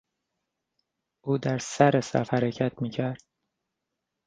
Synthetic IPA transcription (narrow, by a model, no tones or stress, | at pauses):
ʔuːd̪æɾsæɾesæ̰fhæɾecʰæt̪ʰmiːcʰæɾd̪̥̚